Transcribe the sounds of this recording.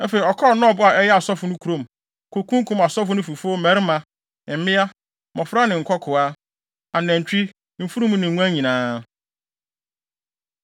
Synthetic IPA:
æ˦fe˨i˨ɔ˨kʰɔ˦˨nʊ̃˦ɔ˨bʊ˦a˨ʔɛ˦jɛ˦a˨sɔ˦fʊ˨nʊ̃˦kʰu˨ɾõ˨m | kʰo˨kʰũ˦ŋ˦kʰũ˦ma˨sɔ˦fʊ˦nʊ̃˦fu˨fo˦mæ˨˦ɾɪ˦mã˨ | m̩˨mɪ̃˦a˦ | mɔ̃˨fɾa˦nɪ̃˨ŋ̩˨kʰɔ˦kʰʊ˨a˦ | a˨nɛ̃˨ɲ˨t͡ɕᶣi˦ | m̩˨fu˦ɾũ˦mũ˦nɪ̃˨ŋʷũ˦ã˦ɲĩ˨nãː˨˦

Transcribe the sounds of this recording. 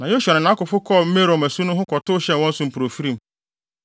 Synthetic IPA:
nã˨jo˦ɕᶣɛ˨ɾɪ̃˨nã˦kʊ˨fʊ˦kʰɔ˦˨m̩˦me˦ɾõ˨mæ˨su˦nʊ̃˦ɦʊ˦kʰɔ˨tʊ˦ɕɛ̃˦n˨wɔ̃˦n̩˦sʊ˦˨m̩˨pu˨ɾo˨fi˦ɾĩ˦˨m

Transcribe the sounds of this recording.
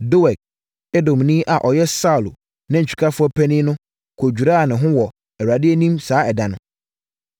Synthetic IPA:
do˦wɛ˨k̚ | e˦dõ˨mnĩ˦ʔa˨ʔɔ˨jɛ˦sa˦˨l | nɪ̃˦ɲ̩˨t͡ɕᶣu̥˨kʰa˦fʊ˦ɔ˦pʰɛ˦nĩ˦nʊ̃˦ | kʰo˨d͡ʑᶣu˨ɾa˦˨nɪ̃˨ɦʊ̃˦wɔ˨ | ɛ˨ɾa˨dɪ˦e˦nĩ˦msaː˦ɛ˨da˨nʊ̰̃˨

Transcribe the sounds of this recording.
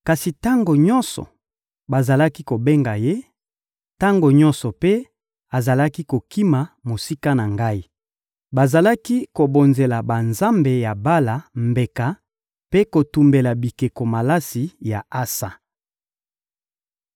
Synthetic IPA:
ka˨si˨ta˦ŋɡo˨ɲɔ˦nsɔ̰˨ | ba˨za˨la˦ki˦ko˨be˦ŋɡa˨je˦ | ta˦ŋɡo˨ɲɔ˦nsɔ˨pe˦ | a˨za˨la˦ki˦ko˨ki˦ma˨mo˨si˦ka˦na˨ŋɡa˦i˦ | ba˨za˨la˦ki˦ko˨bo˨nze˨la˨ba˨nza˦mbe˨ja˨ba˦la˨mbe˨ka˨ | pe˦ko˨tu˨mbe˨la˨bi˨ke˨ko˨ma˨la˦si˨ja˨a˦sa˨

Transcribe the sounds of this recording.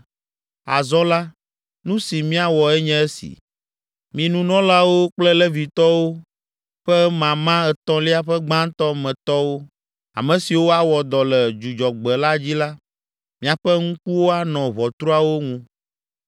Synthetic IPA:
a˨zɔ˦la˦ | nũ˦si˨mĩ˦a˨wɔ˨ɛ˦ɲɛ̃˦e˦sḭ˨ | mĩ˨nũ˨nɔ̃˦la˦wo˦k͡plɛ˦lɛ˦vi˨t̪ɔ˦wo˦ | ɸɛ˦mã˨mã˦ɛ˨t̪ɔ̃˦li˦a˦ɸɛ˦ɡ͡bã˦n˦t̪ɔ˦mɛ̃˨t̪ɔ˦wo˦ | a̰˨mɛ̃˨si˨wo˦a˨wɔ˨d̪ɔ˨lɛ˨d͡ʒu˨d͡ʒɔ˨ɡ͡bɛ˨la˦d͡ʑi˦la˦ | mĩ˦a˨ɸɛ˦ŋũ˦ku˦wo˦a˨nɔ̃˨βɔ˨t̪ɾu˦a˨wo˦ŋũ˦

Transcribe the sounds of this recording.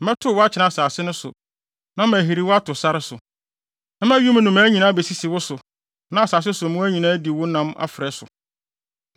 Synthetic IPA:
m̩˦mɛ̃˦tʰʊ˦˨wɔ˦a˦t͡ɕʰɪ˨nã˦a˨saː˨sɪ˦nʊ̃˦sʊ˨ | nã˦mæ˨ɦi˨ɾi˨˦wʊ˦a˦tʰʊ˨sa˦ɾɪ˦sʊ˨ | nã˦mæ̃˦ɥũ˦m̃˦nʊ̃˨mæ̃ː˨˦ɲĩ˨nãː˦be˨si˦sɪ˨wʊ˦sʊ˨ | nã˦a˨saː˨s̬ɪ˦sʊ˨mũ˦æ˦ɲĩ˨nãː˦di˨wʊ˦nã˦ma̰˦fɾɛ˨sʊ̰˨

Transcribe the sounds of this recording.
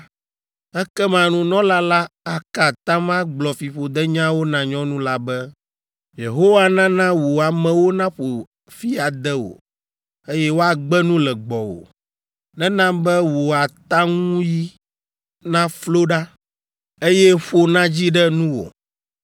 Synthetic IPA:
ɛ˦kɛ˦mã˨nũ˦nɔ̃˦la˦la˦a˨ka˨t̪ã˦mã˦ɡ͡blɔ˨fi˨ɸo˨d̪ɛ˦ɲã˦wo˦nã˨ɲɔ̃˦nũ˦la˦bɛ˦ | je˨ɦo˦wa˦nã˦nã˦wo˨a˨mɛ̃˨wo˦nã˦ɸo˨ | fi˦a˨d̪ɛ˦wo̰˨ | e˦jɛ˦wo˦a˨ɡ͡bɛ˦nũ˦lɛ˨ɡ͡bɔ˨wo̰˨ | nɛ̃˦nã˦bɛ˦wo˨a˨t̪a˦ŋũ˦ji˦ | nã˦flo˦ɖa˦ | e˦jɛ˦ɸo˦nã˦d͡ʑi˦ɖɛ˦nũ˦wo̰˨

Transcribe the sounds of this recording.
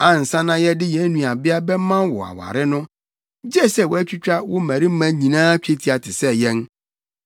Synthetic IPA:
a˨n̩˨sã˦nã˦jɛ˦dɪ˦jɛ̃˨˦nũ˨a˨bɪ˦a˦bɛ˦mã˦nwɔ̰˨a̰˨wa̰˨ɾɪ˦nʊ̃˦ | d͡ʑɛ˦sɛ˦˨wɔ˨æ˦t͡ɕᶣi˦t͡ɕᶣa˦wɔ˦mæ̃˨ɾi˦m̩˦mã˦ɲĩ˨nãː˦t͡ɕᶣe˦tʰi˨˦a˨tʰɪ˨sɛ˦jɛ̃˦n

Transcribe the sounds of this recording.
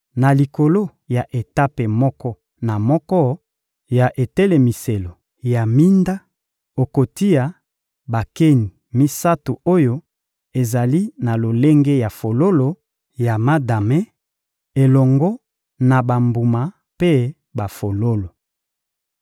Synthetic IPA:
na˨li˨ko˨lo˦ | ja˨ʔe˨ta˦pe˨mɔ˦kɔ˦ | na˨mɔ˦kɔ˦ | ja˨ʔe˨tɛ˦le˨mi˨se˨lo˨ | ja˨mi˦nda˦ | o˨ko˨ti˦ja˨ | ba˨ke˦ni˨ | mi˦sa˦tu˨o˦jo˦ | e˨za˨li˦na˨lo˨le˦ŋɡe˦ja˨fo˨lo˦lo˨ | ja˨ma˦da˨me˦ | e˨lɔ˨ŋɡɔ˦ | na˨ba˨mbu˨ma˨ | pe˦ | ba˨fo˨lo˦lo˨

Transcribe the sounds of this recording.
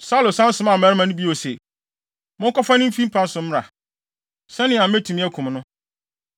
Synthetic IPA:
sa˦lo˨sã˦n̩˦sʊ̃˨˦mã˨æ˨ɾɪ˦mã˨nʊ̃˦bi˦o˨se˨ | mʊ̃˦ŋ˦kɔ˦fa˦nɪ̃˦fĩ˦m̩˦pʰã˦n̩˦sʊ̃˨m̩˦ɾa̰˨ | sɛ̃˦nɪ̃˨ã˨m̩˦me˦tʰũ˨mĩ˦æ˦kʰũ˨m˦nʊ̃˦

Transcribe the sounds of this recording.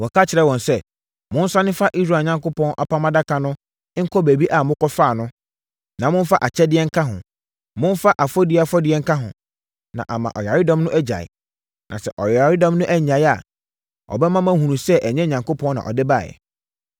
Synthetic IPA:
wɔ˨kʰa˦t͡ɕʰɪ˨ɾɛ˦wɔ̃˨nsɛ˦ | mʊ̃˦n̩˦sa˦nɪ̃˦fa˦ʔi˦s̬ɾa˨ɲã˨ŋkʊ˦pʰɔ̃˦nʔa̰˨pʰa˦mã˦da˦kʰa˨nʊ̃˦ | ŋ̩˦kʰɔ˦be˨bi˦ʔa˨mʊ̃˦kʰɔ˦faː˦˨nʊ̃˦ | nã˨mʊ̃˦fa˦ʔa˨t͡ɕʰɛ˦dɪ˦ɛ˦ŋ̩˦kʰa˦ɦʊ̰̃˨ | mʊ̃˦n˦fa˦ʔa˨fɔ˦dɪ˦a˨fɔ˦dɪ˦ɛ˦ŋ̩˦kʰa˦ɦʊ̰̃˨ | nã̰˨ʔa˨mã̰˨ʔɔ̰˨ja˨ɾɪ˦dɔ̃˦mnʊ̃˦ʔæ˦d͡ʑa̰˨ɪ̰˨ | nʔã̰˨sɛ̰˨ʔɔ˨ja˨ɾɪ˦dɔ̃˦mnʊ̃˦ʔæ˦˨ɲã˨ja˨ | ɔ̰˨bɛ˦mã˦mã˦hũ˨nũ˨sɛ˦ʔæ˨ɲɛ˦ɲã˨ŋkʊ˦pʰɔ̃˦nã̰˨ʔɔ̰˨dɪ˦ba˦˨jɛ̰˨

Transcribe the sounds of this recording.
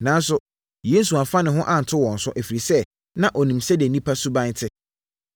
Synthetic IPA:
nã˨n˦sʊ˦ | je˦n̩˦s̬u˨a˨fa˦nɪ̃˨ɦʊ̃˦ʔa˨n̩˨tʰʊ˦wɔ̃˨n̩˨sʊ̃˦ʔe˨fi˨ɾi˨sɛ˦ | nã˦˨ʔɔ˨nĩ˨msɛ˦di˨e˨nĩ˦pʰa˦su˦bã˦n˦tʰɪ˦

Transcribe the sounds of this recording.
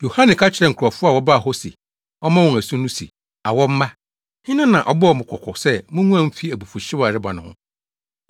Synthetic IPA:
jo˨hã˦nɪ̃˨kʰa˦t͡ɕʰɪ˨ɾɛ˨ŋ̩˨kʰʊ˨ɾɔ˨fʊ˦a˦˨wɔ˦ba˦˨ɦo˦sḭ˨ | ɔ˦mã˦wɔ̃˨æ˨sũ˦nũ˦sḭ˨ | a˨wɔ˦m̩˦mã˦ | hɪ̃˦nã˦nã˨ʔɔ˦bɔ˦ɔ˨mʊ̃˨kʰɔ˨kʰɔ˨sɛ˦mʊ̃˦nũ˦ã˦m̩˦fi˦æ˨bu˨fu˨ɕɪ˦wa˨ɾɪ˦ba˨nʊ̃˨hʊ̰̃˦

